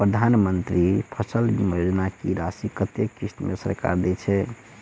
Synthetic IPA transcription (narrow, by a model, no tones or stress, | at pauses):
pɾəd̪ʱanmənt̪ɾipʰəsəlmjod͡ʒnakiɾasikət̪jekist̪mesə̰ɾka̰ɾd̪ɛt͡ʃʰɛ